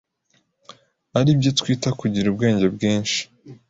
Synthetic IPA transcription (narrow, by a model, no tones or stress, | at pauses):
aɾibjo̞twiːtakuɟiɾub̚ɡe̞ːɲɟe̞bɡiːnʃi̥